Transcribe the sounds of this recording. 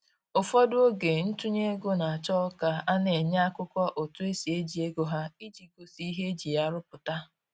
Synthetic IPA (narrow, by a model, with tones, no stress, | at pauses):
ʊ˨fɔ˦dʊ˦o˦ɡe˨n̩˦tu˦ɲe˦ɡo˦na˨a˨t͡ʃɔ˦ka˦a˦ne˨ɲa˦a˦kʊ˦kʷɔ˦ʔʊ˨tʊ˦e˦si˨e˦d͡ʒi˨e˦ɡo˦ɦa˦i˦d͡ʒi˨ɡo˨si˦i˦ɦe˦d͡ʒi˨ja˦ɾʊ˦pʊ˨ta˦